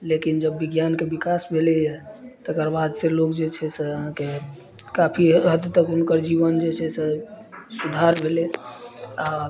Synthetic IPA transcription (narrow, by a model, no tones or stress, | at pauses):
lekind͡ʒəbːiɡjankebikasbʱelejɛt̪əkəɾbad̪selokd͡ʒet͡ʃʰɛseəɦãke | kapʰiɦəd̪t̪əkunkəɾd͡ʒiβənd͡ʒet͡ʃʰɛsesud̪ʱaɾbʱele | a